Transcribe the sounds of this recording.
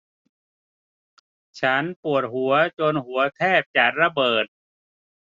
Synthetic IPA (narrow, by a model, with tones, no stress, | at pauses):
t͡ɕʰa˦˥npu˨˩ət̪̚ɦu˩˦ɐt͡ɕo˧nhu˩˦ɐt̪ʰɛː˥˩p̚t͡ɕa˨˩t̪̚ɾa˧bɤː˨˩t̪̚